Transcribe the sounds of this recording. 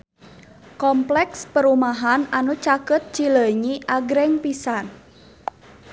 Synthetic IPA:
kɔmplɛkspəɾumaɦananut͡ʃakət̪̚t͡ʃiləɲiʔaɡɾɛŋpisan

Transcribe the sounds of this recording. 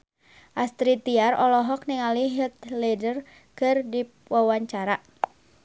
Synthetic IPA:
ʔast̪ɾit̪iarɔlɔɦɔk̚niŋaliɦit̪̚lɛdər | kɨrdi | wawaɲt͡ʃaɾa

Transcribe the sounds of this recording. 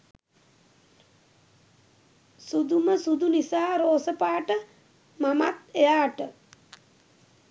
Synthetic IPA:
sud̪uməsud̪unisaːɾoːsəpaːʈə | mamat̪ejaːʈə

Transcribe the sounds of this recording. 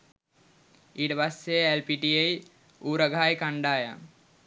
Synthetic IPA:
iːʈəpasːeelpiʈiej | uːɾɐɡʱaːjkaɳɖaːja

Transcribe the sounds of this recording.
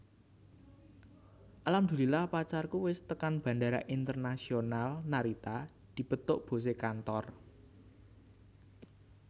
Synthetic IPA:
ʔalamd̪̥ulilahpat͡ʃarkuwɪst̪əkanb̥ä̤ndaɾaʔint̪ərnasionalnaɾit̪a | d̪̥i̤b̥ət̪ʊʔb̥o̤s̬ekant̪ɔr

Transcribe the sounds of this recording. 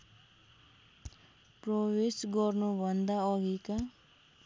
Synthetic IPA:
prʌwesɡʌrnubʱʌnd̪aʌɡika

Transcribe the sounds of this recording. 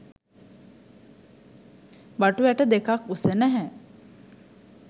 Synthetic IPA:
baʈuʋæʈəd̪ekakusənæɦɛ

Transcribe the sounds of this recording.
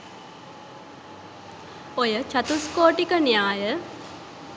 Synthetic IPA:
ojət͡ʃat̪uskoːʈikənijaːjə

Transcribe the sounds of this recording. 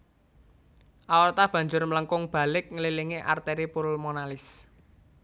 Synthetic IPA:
ʔawərt̪ab̥ä̤ɲd͡ʒʊrmələŋkʊŋb̥a̤lɪk̚ŋəliliŋeʔa̰rt̪eɾipʊɾʊlmonalɪs

